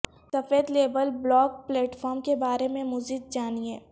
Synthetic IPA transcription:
sɐfeːd̪leːbəlblɔːk̚plɛːʈfɔːɾmkebaːɾemẽmʊzid̪̚d͡ʒaːniɦɛː

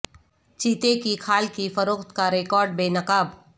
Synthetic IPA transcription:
t͡ʃiːt̪ekikʰaːlkifɐɾoːxt̪kaɾeːkɔːɾɖ̚beːnɐkaːb

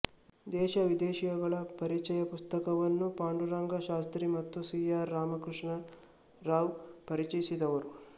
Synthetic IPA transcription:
d̪ɛːʃɐʋid̪ɛːʃijɐɡɐɭɐpɐɾit͡ʃɛjɐpust̪ɐkɐʋɐnːupaːɳɖuɾaːŋɡɐʃaːst̪ɾimɐt̪ːusiːaːɾːaːmɐkɾuʂɳɐ | ɾaːʋpɐɾit͡ʃɐjisid̪ɐʋɐɾu

